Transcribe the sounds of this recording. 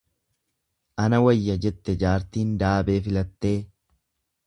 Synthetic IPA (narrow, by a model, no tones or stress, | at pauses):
ʔɐnɐwɐjːɐd͡ʒɛt̪ːɛd͡ʒaːɾt̪iːnd̪aːbe̞ːfɪlɐt̪ːe̞ː